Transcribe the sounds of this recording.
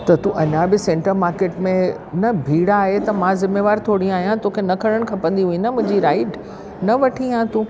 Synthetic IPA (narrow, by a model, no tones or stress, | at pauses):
t̪ɐt̪uʔɐɲãbɪsẽɳʈəɾmaːɾkeːʈmẽ | nɐbʱiːɽaːɦet̪ɐmãzɪmeːʋaːɾt̪ʰoːɽĩaːɦijãt̪okʰenɐkʰɐɽ̃əɽ̃kʰɐpə̃n̆d̪iɦũĩnɐmʊ̃ɦɪ̃d͡ʑiɾaːɪʈ | nɐʋɐʈʰiãt̪ũ